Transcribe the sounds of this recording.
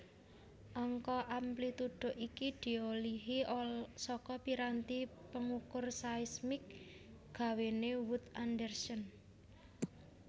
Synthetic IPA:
ʔɔŋkɔʔamplit̪uɖ̥ʊ̤ʔikid̪̥i̤oliɦisɔkɔpiɾant̪ipəŋukʊrsaismɪk̚ | ɡ̥a̤wenewut̪andərsən

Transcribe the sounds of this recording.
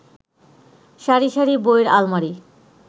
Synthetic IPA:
ʃaɾiʃaɾiboeɾa̰lmaɾi

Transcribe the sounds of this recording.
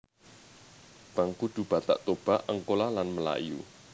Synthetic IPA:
b̥aŋkud̪̥ub̥a̤t̪a̰ʔt̪ob̥a̤ʔəŋkolalanməla̰jṵ

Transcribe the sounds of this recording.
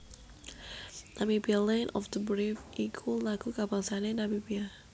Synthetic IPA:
nʔamibialɛ̃nʔɔfd̪əbɹifikʰulaɡukabaŋsanɛnabibia

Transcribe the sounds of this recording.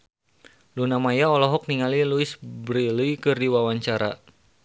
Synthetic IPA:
lunamajaɔlɔɦɔk̚niŋaliluɪsbɾiliikɨrdiwawaɲt͡ʃaɾa

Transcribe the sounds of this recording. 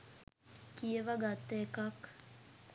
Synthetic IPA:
kieʋaɡat̪ːekak

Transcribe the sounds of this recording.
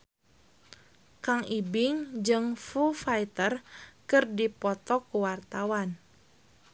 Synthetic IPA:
kaŋibɪŋd͡ʒɨŋfufajt̪ərkɨrdipɔt̪ɔkuwart̪awan

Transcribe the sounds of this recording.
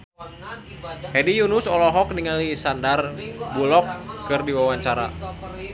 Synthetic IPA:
hɛdijunʊsɔlɔɦɔk̚niŋalisandarbulɔkːɨrdiwawaɲt͡ʃaɾa̰

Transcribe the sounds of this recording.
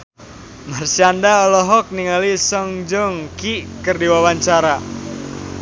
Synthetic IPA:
marsiandaɔlɔɦɔk̚niŋalisəŋd͡ʒəŋkiʔkərdiwawaɲt͡ʃaɾa

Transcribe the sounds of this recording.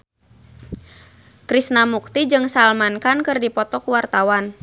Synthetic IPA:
kɾisnamuk̚t̪id͡ʒɨŋsalmankankɨrdipɔt̪ɔkuwart̪awan

